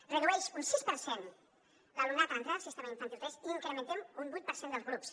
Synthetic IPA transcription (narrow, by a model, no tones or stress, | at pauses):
reðuesunsispəɾsen | lalunat̪ant̪ɾasist̪amaĩɱfant̪it̪esiŋkɾəment̪emumbujt̪̚pəɾsend̪əlˠzɣɾups